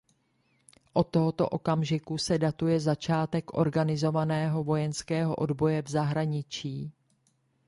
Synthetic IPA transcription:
ʔo̞t̪ːoɦo̞t̪o̞̰ʔo̞kamʒɪkusɛdat̪ujɛzat͡ʃaːt̪ɛkʔo̞̰ɾɡanɪzo̞vanɛːɦo̞vo̞jɛnskɛːɦo̞ʔo̞dbo̞jɛvzaɦɾaɲɪt͡ʃiː

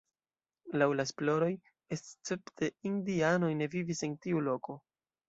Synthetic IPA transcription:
lawlaesplo̞ɾo̞j | est͡se̞ptʰe̞indiano̞jne̞vivise̞ntiulo̞ko̞

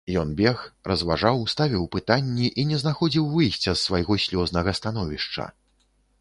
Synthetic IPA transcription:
jɔnbʲɛxrɐzvaʐawst̪avʲiwpɨt̪anʲːiʔinʲɛznaxɔd͡zʲiwvɨjsʲt͡sʲɐsːvajɣɔsʲlʲɔznɐɣɐst̪an̪ɔvʲiʂt͡ʂɐ̰

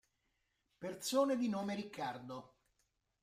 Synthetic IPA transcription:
pert̪soːned̪inoːmeɾikʰːard̪o

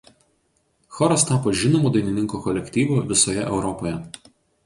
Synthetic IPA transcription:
xɔɾɐst̪ɑːpoːʒʲɪnɔmuːd̪ɐɪnʲɪnʲɪŋkuːkɔlʲɛkʲt̪ʲiːʋuːʋʲɪsoːjɛʔɛʊɾɔpojɛ

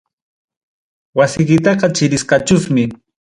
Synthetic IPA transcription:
wasɪjkɪt̪ɑqɑt͡ʃɪɾɪsqɑt͡ʃʊsmɪ

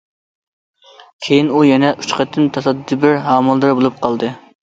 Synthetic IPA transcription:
kʲʰejinujɛnɛʔy̥t͡ʃqʰɑt̪ʰːɨnt̪ʰɑsɑd̪d̪ɨbɪɾɦɑːmɨlˠd̪ɨɾbolˠup̚qʰɑlˠd̪ɨ

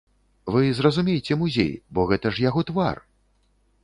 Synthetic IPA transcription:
vɨzrɐzumʲejt͡sʲɛmuzʲḛjbɔɣɛt̪ɐʂjaɣɔt̪va̰r

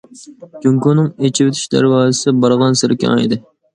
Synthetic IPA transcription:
kyŋkunɨŋet͡ʃʰiwɪt̪ʰy̥ʃd̪æ̰ɾwɑːzɨsɪbɑɾʁɑnsɪɾkʲʰɑ̰ŋḛd̪ɪ

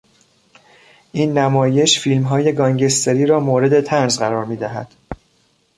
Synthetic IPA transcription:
ʔiːnːæmɒːje̞ʃfilmɦɒːje̞ɡɒːŋɟe̞st̪ʰeɾiːɾɒːmoːɾe̞d̪e̞t̪ʰænzɢæɾɒːɾmiːd̪æɦæ̰d̪̥

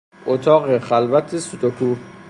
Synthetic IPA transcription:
ʔot̪ʰɒːɢexælvæt̪ʰesut̪ʰokʰu

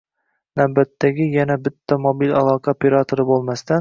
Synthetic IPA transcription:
næwbæt̪ʰːɛɡʲijɛnɛbɪt̪ʰːɛmobilɑlˠɑːqʰɑpʰeɾɑt̪ʰoɾɨbolˠmæst̪ɛn

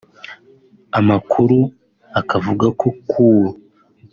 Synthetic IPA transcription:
amakʰuɾu | akavuɡako̞kʰuːwa

